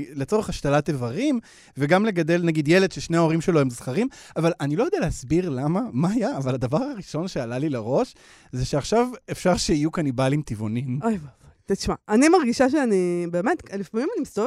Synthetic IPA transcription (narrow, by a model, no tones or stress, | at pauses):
let͡so̞ʁeχaʃtalatevaʁim | veɡamle̞ɡad̪e̞lnaɡidje̞le̞dʃeʃne̞aoʁimʃe̞loemzχaʁimavalʔanilo̞jodealehasbiʁlamamaajaːvalad̪avaʁaʁiʃo̞nʃealalileʁo̞ʃ | zeʃeaχʃavefʃaʁʃeijukanibalimt̪ivonimojvav̥at̪iʃmaanimaʁɡiʃaʃ̬eanibeːmetlifamimanimisto